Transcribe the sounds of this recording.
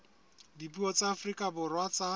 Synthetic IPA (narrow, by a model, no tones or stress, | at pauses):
dipuɔt͡saːfrikʼabʊrwat͡sʼa